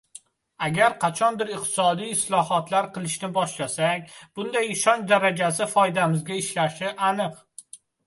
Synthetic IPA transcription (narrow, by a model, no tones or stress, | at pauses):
aɡʲaɾqʰɑt͡ʃʰɒnbɪɾɪq̚t̪ʰɪ̥sɒd̪ijɪslˠɒhɒt̪laɾqʰɨlˠɪʃnɪbɒʃlasaŋʲb̥ʊnd̪ajɪʃɒnd̪aɾad͡ʒas̬ɪfɒjd̪amɪzɡʲaɪʃlaʃɪʔanɨq